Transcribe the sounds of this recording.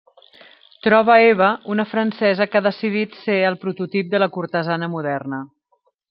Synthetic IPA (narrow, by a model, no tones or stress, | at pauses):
t̪ɾɔβ̞əeβ̞əunəfɾənsɛzəkaðəsiðit̪seəlˠpɾut̪ut̪ip̚d̪ələkuɾt̪əzanəmuðɛrnə